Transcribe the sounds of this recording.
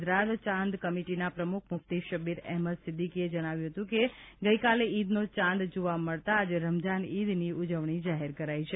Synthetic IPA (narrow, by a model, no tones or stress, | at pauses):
d͡ʒɾat̪t͡ʃãnd̪kəmiʈinapɾəmukʰmʊft̪iʃəbiɾɛɦməd̪sɪd̪ʱːikied͡ʒəɽ̃aʋjũɦət̪ũkeɡəikaleid̪not͡ʃãnd̪d͡ʒoʋaməɭt̪aːd͡ʒeɾəmd͡ʒanid̪niud͡ʒəʋɳ̃id͡ʒaɦeɾkəɾait͡ʃʰe